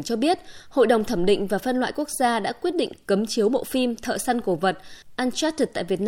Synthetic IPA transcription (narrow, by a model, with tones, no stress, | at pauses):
t͡ɕɔ˧ɓi˦˥ət̚ho̰˧˨jɗə˨˩wŋ͡mt̪ʰə˧˩mɗḭ̈˧˨ŋ̟vaː˨˩fə˧nlwa̰ː˧˨jku˦˥ək̚zaː˧ɗa̰ː˧˥kwi˦˥ət̚ɗḭ˧˨ŋ̟kə˨˦mt͡ɕi˨˦əwmo̰˧˨fi˧mt̪ʰə̰ː˧˨sa˧nku˧˩və˨˩t̚ʔaː˧nt͡ɕa˦˥t̚t̪a̰ː˧˨jvi˨˩ət̚n